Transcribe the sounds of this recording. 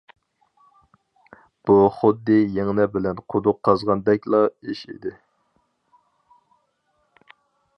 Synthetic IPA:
b̥uχʊd̪ːɪjeŋnɛbɪlɛnqʰod̪ʊqʰːɑzʁɑnd̪ɛkʲlˠɑiʃḭd̪ɪ

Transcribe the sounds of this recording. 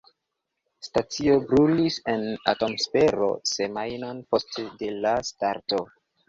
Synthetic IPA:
stat͡sio̞bɾulise̞na̰to̞mspeɾo̞̰se̞majnonpo̞stdelastaɾto̞

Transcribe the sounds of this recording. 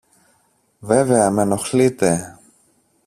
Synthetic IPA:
veveɐmeno̞xlit̪e

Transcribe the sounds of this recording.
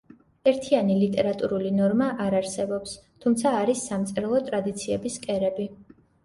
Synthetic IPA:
ɛɾt̪ʰianilit̪ʼɛɾat̪ʼuɾulinɔɾmaʔaɾaɾsɛbɔpst̪ʰumt̪sʰaːɾisːamt̪sʼɾɛlˠɔt̪ʼɾad̪it̪sʰiɛbiskʼɛɾɛbi

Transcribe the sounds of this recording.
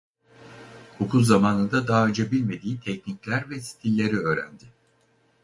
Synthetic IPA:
hukʰulˠzamaːnɯnd̪ad̪aːød͡ʒabilʲme̞d̪iːt̪ʰɛcniclʲæɾvɛsi̥t̪ʰilʲːe̞ɾiø̞ːɾæ̰nd̪ɪ

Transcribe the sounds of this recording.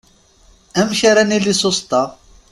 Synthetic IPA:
æmʃaɾænilisˤost̪ɑ

